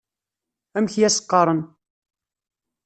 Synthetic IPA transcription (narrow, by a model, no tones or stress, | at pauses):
æmçjæsə̥qːɑɾˤən